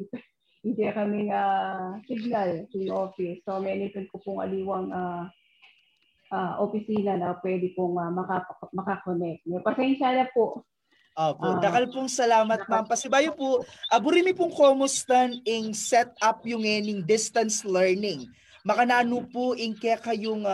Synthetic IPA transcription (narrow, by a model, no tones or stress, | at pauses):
ɪnd̪ɛkɐmɪŋaːsɪɡ̚nalsɪʔoːfɪsomɛnɪnt̪ʊnkʊpʊŋɐ̰liːwɐŋa | ʔaʔofɪsiːnɐnɐpwɛːd̪ɪpoŋɐmɐkapɐmɐkɐkonɛk̚t̪̚nɛpɐsɛnʃalɐpoʔ | ʔoːpoʔd̪ɐkɐlpʊŋsɐlaːmɐt̪̚mampɐsɪbaːjopʊʔɐbʊɾimɪpʊŋkoːmost̪ɐnɪŋsɛt̪̚ap̚jʊŋːɛːnɪŋd̪ɪst̪ɐnslɛɹnɪŋ | mɐkɐnaːnʊpʊʔɪŋkɛkɐjʊŋ